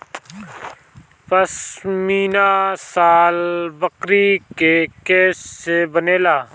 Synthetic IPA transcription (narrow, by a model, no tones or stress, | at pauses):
pəsmiːnaːsaːlbəkɾiːkekeːssebəneːlaː